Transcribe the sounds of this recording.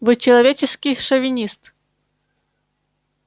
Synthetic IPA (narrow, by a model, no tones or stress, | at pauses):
vɨt͡ɕɪlˠɐvʲet͡ɕɪskʲɪjʂɐvʲɪnʲist̪